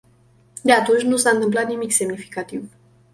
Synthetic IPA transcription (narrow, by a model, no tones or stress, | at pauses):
d̪eat̪unt͡ʃʲnusaɨnt̪ɨmp̬lat̪nimikse̞mnifi̥kat̪iv